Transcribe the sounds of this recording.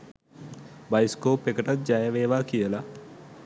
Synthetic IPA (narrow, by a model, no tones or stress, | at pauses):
bajskoːpːekəʈat̪̚d͡ʒajəʋeːʋaːkijəla